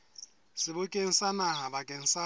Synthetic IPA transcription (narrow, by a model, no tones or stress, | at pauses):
sɪbʊkʼeŋ̩sanaɦabakʼeŋ̩sa